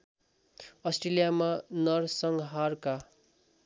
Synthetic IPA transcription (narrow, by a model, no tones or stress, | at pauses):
ʌsʈrelijamanʌrsʌŋɦarka